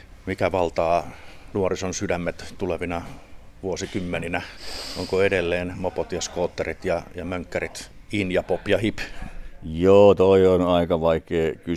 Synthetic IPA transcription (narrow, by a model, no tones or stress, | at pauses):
mikæʋɑlt̪ɑːnuorisonsydæmːet̪t̪uleʋinɑ | ʋuosikymːeninæoŋkoedelːeːnmopot̪jɑskoːt̪ːerit̪jɑjɑmøŋkːærit̪ | injɑpopjɑhip | joːt̪oionɑikɑʋɑikˑeːky